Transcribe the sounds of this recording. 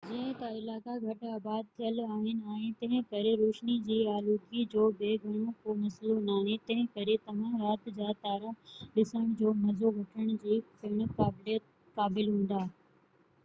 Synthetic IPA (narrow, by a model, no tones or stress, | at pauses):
d͡ʑɐ̃ɪ̃t̪ɐɪlaːkaɡʱɐʈaːbaːd̪̚t̪ʰijəlaːɦɪnɪ̆aːɪ̃t̪ɐ̃ɦɪ̃kɐɾeɾoːʃnid͡ʑiːaːluːkid͡ʑoːbeːɡʱɐɽ̃õkomɐslonaːɦẽt̪ɐ̃ɦɪ̃kɐɾet̪ɐʋ̤ãɾaːt̪d͡ʑaːt̪aːɾaɗɪsəɽ̃d͡ʑoːmɐzoʋɐʈʰəɽ̃d͡ʑiːpɪɽ̃̆kaːbɪlijət̪̚ | kaːbɪlɦũːn̆d̪aː